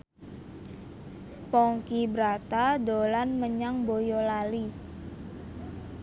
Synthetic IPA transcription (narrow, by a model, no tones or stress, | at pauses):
pɔŋkibɾat̪adolanməɲaŋbojɔlali